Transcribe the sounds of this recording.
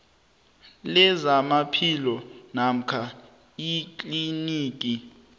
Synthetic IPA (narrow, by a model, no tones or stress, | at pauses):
lɛzamapʰilɔnam̩kʰa | ikʼliniːk̬ʼi